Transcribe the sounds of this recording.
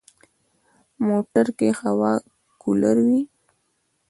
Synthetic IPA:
moʈaɾkexawɑ | kulaɾwi

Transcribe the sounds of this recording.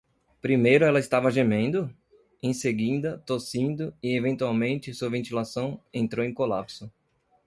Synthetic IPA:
pɾimejɾʊɛlɐɪst̪avɐʒemẽnd̪ʊ | ẽj̃seɡĩd̪ɐt̪osĩnd̪ʊɪevẽnt̪uawmẽnt͡ʃɪsuɐvẽnt̪ilasɐ̃w̃ẽnt̪ɾowẽj̃kolapsʊ

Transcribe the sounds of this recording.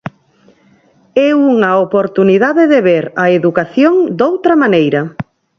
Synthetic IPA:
ɛuŋɐopoɾt̪uniðaðɪðeβeɾɐeðukaθjoŋd̪owt̪ɾɐmanejɾɐ

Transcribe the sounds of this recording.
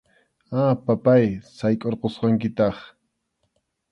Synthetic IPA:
apapajsajkʼoɾqosqɑŋkɪt̪ɑχ

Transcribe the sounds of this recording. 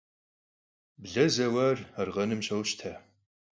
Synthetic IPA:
bɮɐzɐwɐrɐrʁɐnɨmʃɐwʃtʰaː

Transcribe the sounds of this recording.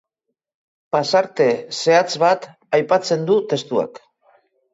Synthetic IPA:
pasaɾt̪e̞se̞at͡sβat̪ | ajpat͡se̞nd̪ut̪e̞st̪ua̰k

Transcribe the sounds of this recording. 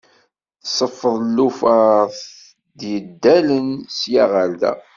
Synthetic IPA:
θsˤəfːəðˤlːufaθ | d̪jəd̪ːælənsjaʁæld̪æ̰

